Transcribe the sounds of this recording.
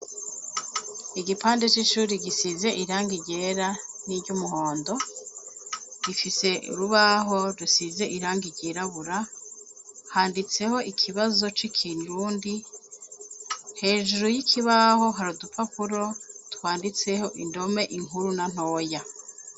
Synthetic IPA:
iɡipaːnde̞t͡ʃiʃuːɾiɡisize̞ʔiɾaːŋɡiɟe̞ɾaniɾɟumuɦo̞ːndo̞ | ɡifise̞ṵɾuβaɦo̞ɾusize̞ʔiɾaːŋɡiɟeɾaβuɾa | haːndit͡se̞ho̞ʔikʰiβazo̞t͡ʃikʰinɾuːndi | he̞ːʒuɾujikʰiβaho̞ɦaɾudupapʰuɾo̞twaːndit͡se̞ho̞ʔindo̞me̞ʔiŋuɾunan̥o̞ːja

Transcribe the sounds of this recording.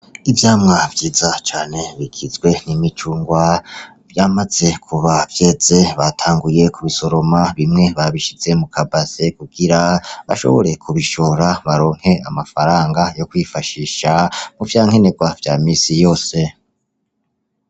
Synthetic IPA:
ivjaːmŋavjiːzat͡ʃaːne̞βikʰizɡwe̞nimit͡ʃuːŋɡwa | vjamaz̥e̞kʰuβakjez̥e̞βatʰaːŋɡuje̞kuβiso̞ɾo̞maβimŋe̞βaβiʃize̞mukʰabasekuɡ̥iɾaβa̰ʃo̰βo̞̰ɾe̞kʰuβiʃo̞ɾaβaɾo̞ːŋ̥he̞a̰mafaɾaːŋɡajo̞kwifaʃiːʃamuvjaːŋ̥he̞ne̞ɡwavjaːmiːsijo̞ːse̞

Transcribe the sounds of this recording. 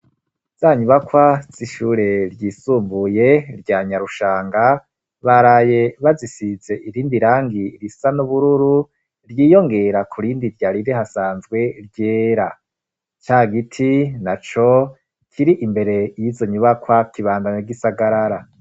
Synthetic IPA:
z̥aɲuβakwaz̥iʃuːɾe̞ɾɟiːsuːmbujeɾɟaːɲaɾuʃaːŋɡa | βaɾaje̞βazisize̞ʔiɾiːndiɾaːŋɡiɾisanuβuɾuɾu | ɾjiːjo̞ŋɡe̞ɾakʰuɾiːndiɾɟaɾiɾehasaːnzɡwe̞ɾɟeːɾa | t͡ʃaːɡitʰinat͡ʃo | kʰiɾiʔimbe̞ɾe̞jizo̞ɲuβakwakiβaːndaɲeɡisaɡaɾaɾa

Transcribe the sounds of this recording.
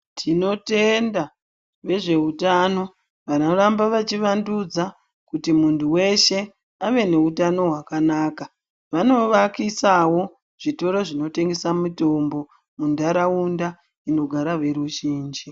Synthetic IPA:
tʰino̞te̞nda | ʋe̞ʐe̞utano̞ | ʋanorambaʋat͡ʃiʋandud͡za | kutimuntʰuwe̞ʃe̞ | aʋe̞ne̞utano̞ɦwakanaːka | ʋano̞ʋakisawo̞ | ʐ̥ito̞ɾoʐino̞te̞ŋɡe̞samito̞mbo̞ | mundaɾaunda | ino̞ɡʱaɾaʋe̞ɾuʒiːnd͡ʒi

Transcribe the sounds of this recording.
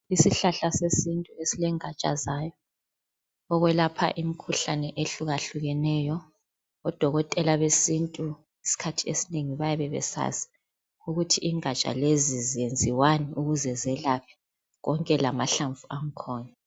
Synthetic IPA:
isiɬaɬasesintʼuesilɛŋat͡ʃʼa̰zaːjɔ | ɔɣwɛlapʰa̰ʔimikʰuɬanɛʔeɬuɣaɬuɣɛnɛːjɔ | ɔd̥ʱɔɣɔtʼɛlaβesintʼu | isi̥kʰatʰiesineŋiβajaβɛβɛ̰sa̰si̥ | uɣutʰiʔiŋat͡ʃʼa̰lezizijend͡zʱiwaniuɣuzɛzɛlapʰi̥ | ɣɔŋkʼɛlamaɬaɱvuaŋ̩kʰɔːna

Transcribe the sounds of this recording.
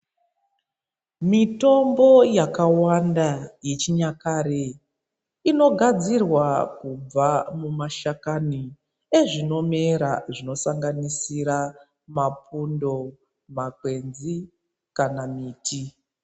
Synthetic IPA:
mito̞mbo̞jakawandaje̞t͡ʃiɲakaɾe | ino̞ɡʱad͡zirwakub͡vamumaʃakani | eʐino̞me̞ɾaʐino̞saŋɡanisiɾa | mapundo̞ | makwe̞nzi | kanamiːtʰi

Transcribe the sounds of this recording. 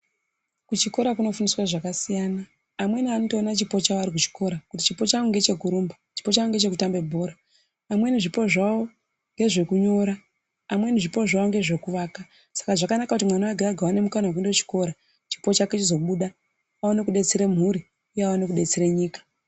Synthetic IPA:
kut͡ʃiko̞ɾakuno̞funiswaʐakasijanaː | mwe̞nianoto̞ːnat͡ʃipo̞t͡ʃaoaɾik̬ut͡ʃi̥kʰo̞ɾakuti̥t͡ʃipo̞t͡ʃaoŋɡe̞t͡ʃe̞kuɾumbot͡ʃi̥po̞t͡ʃaoŋɡe̞t͡ʃe̞kutambe̞bʱo̞ːɾaː | mweniʐipo̞ʐawo̞ | ŋɡe̞ʐe̞kuɲo̞ɾa | amwe̞niʐipo̞ʐawoŋɡe̞ʐe̞kuʋaːka | sḁkaʐakanakakutimwanawaɡʱaɡʱawane̞mukanawakuindo̞t͡ʃi̥ko̞ɾa | t͡ʃi̥po̞t͡ʃaket͡ʃizo̞ɓuɗa | aonekuɗe̞t͡seɾem̤uɾi | iawonekuɗe̞t͡seɾeɲiːkḁ

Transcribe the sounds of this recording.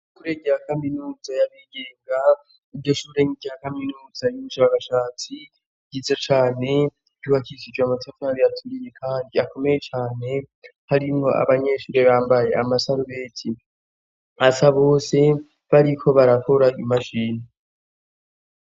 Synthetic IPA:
ʃuːɾe̞ɟejakaminuːzajaβiɡe̞ːŋɡa | ibɟo̞ʃuːɾeŋiɟakaminuːzajumuʃaːkaʃaːt͡si | ɟizet͡ʃaːne̞̥ | ɟuhakisid͡ʒwamatefanaɾijatʰuɾije̞kʰaːndiako̞meje̞t͡ʃaːne̞haɾimŋo̞ʔa̰βaɲe̞ʃuːɾe̞βaːmbaje̞amasaɾuβe̞ːtʰi | asaβo̞ːse̞ | βaɾikʰo̞βaɾakʰoɾaimaʃiːni

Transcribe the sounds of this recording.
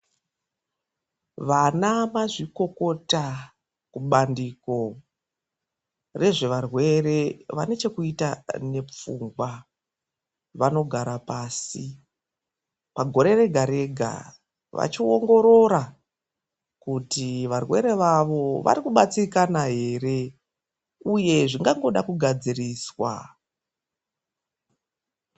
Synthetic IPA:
ʋanamaʐiko̞ko̞ta | kuɓandiːko̞ | re̞ʐe̞ʋarwe̞re̞ʋa̰ne̞t͡ʃe̞kuitane̞p͡fuŋɡwa | ʋano̞ɡʱaɾapaːsi | paɡʱo̞ɾe̞re̞ɡʱaɾe̞ɡʱa̰ | ʋa̰t͡ʃioŋɡo̞ɾo̞ɾa | kutiʋarwe̞̰ɾe̞ʋaʋo̞ʋa̰ɾikuɓat͡sikanaɦe̞ːre̞ | uje̞ʐiŋɡaŋɡo̞ɗakuɡʱad͡ziriːswa̰

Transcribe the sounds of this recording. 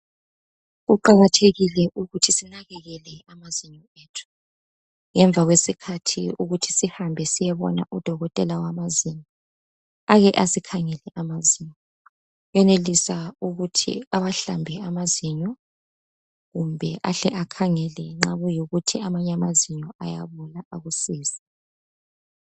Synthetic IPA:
ɣuǃaɣatʰeɣilɛʔuɣutʰisinaɣɛɣɛlɛamaziɲɔ | eːtʰu̥ | ŋɛɱvʱaɣwesikʰatʰḭuɣutʰi̥sihambʱɛsijɛβɔ̰na̰ʔud̥ʱɔɣɔtʼɛlawamaziɲɔ | aɣɛʔasikʰaŋɛlɛʔamaziɲɔ | jɛnelisauɣutʰḭaβaɬambʱɛamaziɲɔ | ɣumbʱɛʔaɬɛʔakʰaŋɛlɛŋ͡ǁaβujoɣutʰiamaɲamaziɲɔajaβulaʔaɣusiːsḁ

